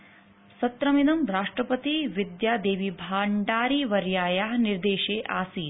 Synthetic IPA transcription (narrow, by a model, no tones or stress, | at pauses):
sɐt̪ɾɐminɐmɾaːʂʈɾɐpɐt̪iʋid̪jaːd̪eːʋibʱaːɳɖaːɾiʋɐɾjaːjaːɦniɾd̪eːʃeːʔa̰ːsiː